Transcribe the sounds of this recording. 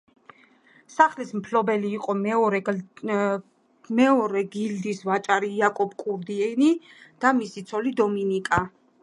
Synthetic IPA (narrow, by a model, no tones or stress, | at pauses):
saχlismpʰlɔbɛliːqʼɔɛɔɾɛ | mɛɔɾɛɡild̪isvat͡ʃʼaɾiːakʼɔpʰkʼuɾd̪iɛnid̪̥amisit̪sʰɔlid̪ɔminikʼa